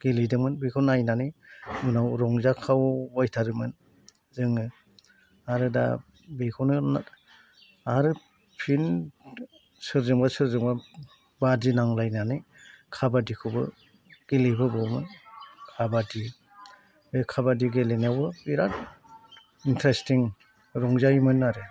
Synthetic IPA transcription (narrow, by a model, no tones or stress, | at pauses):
ɡ̥elidɯŋmɯnbikʰɯwnajnanɯmunawɾɔŋzakʰawbɔjtʰaɾɯmɯn | zɯŋɯ | aɾɯda̰ | bikʰɯwnɯna | aɾɯ | pʰin | sɯɾzɯŋbasɯɾzɯŋba | badinaŋlajnanɯ | kʰabadikʰɯwbɯ̰ | ɡ̥ilibɯbɔwmɯnkʰabadi | bekʰabadiɡelenawɯbiɾat | intʰɾestiŋ | ɾɔŋzajmɯnːaɾɯ